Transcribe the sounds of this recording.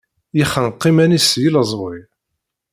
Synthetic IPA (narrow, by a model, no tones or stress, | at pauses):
jiχənqːimænisjiləzˤwi